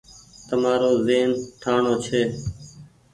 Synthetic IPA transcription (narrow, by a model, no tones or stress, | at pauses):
t̪əmaːɾoːzeːnʈʰaːɳoːt͡ʃʰeː